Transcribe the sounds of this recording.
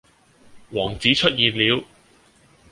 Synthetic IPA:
wɔː˨˩ŋt͡siː˨˥t͡ʃʰɵ˥t̚jiː˨nliː˨˧w

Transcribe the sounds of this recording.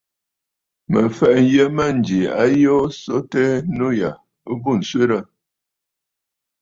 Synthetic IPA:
mə˨fɛ˦˨ʔn˨˦jə˦mə˦˨n˨d͡ʒi˨a̰˦jo˦so˦tɛ˦no˦ja˨˦ | bu˦˨n̩˨swe˦ɾə˦˨

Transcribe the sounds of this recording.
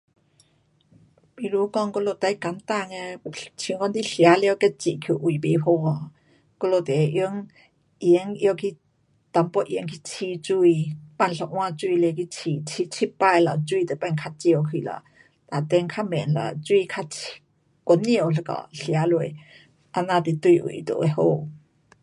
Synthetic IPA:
mi˧˨lu˧˦kɔ˧˨ŋkɔ˧lo˧˩t̪a˧˥jka˨˦nt̪a˧˨ŋɛ˧t͡ɕʰi˧ŋɔ˧˦nt̪i˧˥ɬja˨˦lɛ˧˨wkɛ˥t͡ɕḭ˨kʰi˧˩ʔu˨˩˨be˨˦pʰo˧˨ɔ˧˩ | kɔ˧lo˧˩t̪ɛ˨˦ʔi˧˦əŋ | ʔi˧˨˦ŋʔkʰi˧ | t̪a˨˦mpɔ˧ʔi˧˨˦ŋkʰi˧t͡sʰi˧t͡su˧˨jpa˧˨nɬɔ˧˨ʔw̃a˧t͡su˧jlɛ˧ki˧t͡sʰiː˧˨t͡sʰi˧t͡sʰi˧˥pːa˧˨jla̰˨t͡su˧˨t̪a˨pa˧˨nkʰa˧t̚t͡si˧ə˧˨wkʰi˧˨la̰˨ | ta˨˩t̪ɛ˧ŋkʰa˥mɛ˨nla̰˨t͡su˧i˧kʰa˧˥t͡sʰ | kɔ˨˦ni˧ə˨wɬa˧kɔ̰˨ɬi˨a˦lu˧˩˨j | ʔa˧na˧˩t̪i˧t̪u˥˧jʔṵ˨˩jt̪ɔ̰˧˨ʔɛ˧ho˧˨

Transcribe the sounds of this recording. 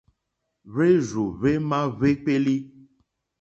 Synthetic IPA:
βe˦zu˨βe˦mã˦βe˦k͡pe˦li˦

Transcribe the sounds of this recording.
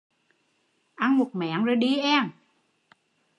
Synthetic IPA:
ʔa˧nmo˨˩t̚mɛ̰˧˨˦ənzoː˨˩jɗi˧ʔɛ˧m

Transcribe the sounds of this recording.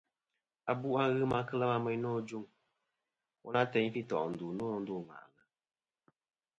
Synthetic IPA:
a˨bu˦ʔa˦ɣɨ˦ma˦˧kɨ˦la˦ma˧mɛ˦ɲ˦nɔː˦d͡ʒu˦ŋ | wɔ˦na˦tɛ˨˦ɲ˦fi˦tɔ̰˨ʔn̩˨du˨nɔː˦do˦˨ŋa̰˨ʔla˨˦

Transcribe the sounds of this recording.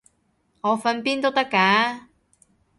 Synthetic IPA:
ŋɔː˨˧fɐ˧npiː˥nt̪o˥wt̪ɐ˥kːaː˨˥

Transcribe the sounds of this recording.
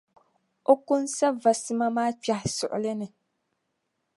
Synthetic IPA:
o˦kʊ˦nsa˦va˨sɨ˦ma˦maː˦pa˨hɪ˨sʊ˨ʔʊ̰˨lɨ˦nɨ˨

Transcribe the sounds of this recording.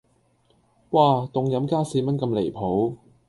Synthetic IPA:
waː˧t̪ʊ˨ŋjɐ˨˧˥mkaː˥siː˧mɐ˥n̚kɐ˧mle˨˩jpʰo˨˥w

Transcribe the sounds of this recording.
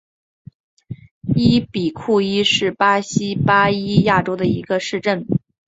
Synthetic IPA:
i˥pi˨˩kʰu˥˩i˥ʂɻ̩˥˩pa˥ɕi˥pa˥i˥ja˥˩ʈ͡ʂo˥ʊd̪ə˨i˧˥ɡə˧ʂɻ̩˥˧ʈ͡ʂə˥˩n

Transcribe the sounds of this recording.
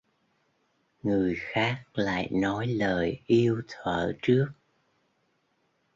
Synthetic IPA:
ŋɨ˨˩əjxaː˦˥k̚la̰ː˧˨jnɔ˨˦jləː˨˩jʔi˧əwt̪ʰwəː˧˩t͡ɕɨ˦˥ək̚

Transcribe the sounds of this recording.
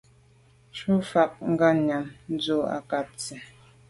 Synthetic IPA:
t͡ʃu˦fa˨k̚ŋ̩˦ɡa˦˨ɲa˨mn̩˦d͡zo˦˨a̰˨ka˨p̚t͡sɛ˨

